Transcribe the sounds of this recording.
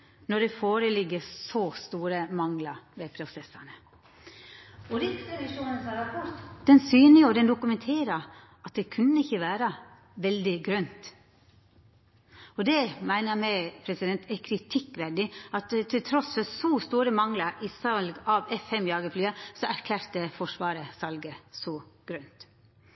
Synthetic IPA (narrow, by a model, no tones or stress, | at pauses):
nɔɖɛfoːɾəlɪɡːəsɔst̪uːɾəmɑŋlɑɾʋɛpʰɾʊsɛsɑnə | ɔɾɪsɾɛʋɪʂuːnənsɑɾɑpʰɔɾt̪d̪ɛnsyːnəjʊd̪ɛnd̪ʊkʉmɛnt̪ʰeːɾɑɾ | ɑt̪̚d̪ɛkʰʉnːəɪçːəʋæːɾə | ʋɛld̪ɪɡɾœnt̪ | ɔd̪ɛmæɪnəɾmɛɪpʰɾɛsɪd̪ɛnt̪ʰɛkʰɾɪt̪ʰɪkːʋɛɖɪɑt̪t̪ʰːɪlt̪ʰɾɔsfɔɾsɔst̪uːɾəmɑŋlɑɾɪsɑlɡɑʋɛfɛmjɑːɡəflyːɑsɔæɾkʰlæːɾt̪əfɔʂʋɑːɾəsɑlɡəsɔɡ̥ɾœnt̪